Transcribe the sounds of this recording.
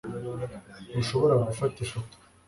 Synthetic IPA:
ɡuʃoβoɾaɡufatiʃa

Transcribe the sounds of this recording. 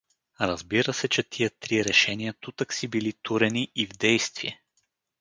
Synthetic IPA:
ɾɐzbiɾəsɛt͡ʃɛt̪ʰiət̪ɾiɾɛʃɛnijət̪ut̪əksibilit̪uɾɛniːvd̪ɛjst̪viɛ

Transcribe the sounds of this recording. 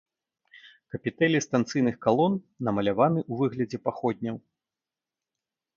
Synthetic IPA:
kɐpʲit̪ɛlʲist̪ant̪sɨjnɨxkalˠɔnːɐmɐlʲavanɨʔuvɨɣlʲɐd͡zʲɛpaxɔd̪̚ʲnʲɐw

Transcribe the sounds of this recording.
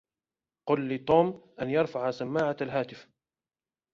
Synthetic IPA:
qʊlːɪt̪ˤoːmʔanjɑɾˤfaʕasamːaːʕaalɦaːt̪ɪf

